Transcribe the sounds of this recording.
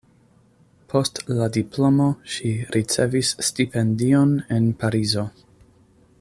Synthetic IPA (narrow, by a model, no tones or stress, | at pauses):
pʰo̞stladiplo̞mo̞ʃiɾʔit͡se̞visːtipʰe̞ndione̞npaɾizo̞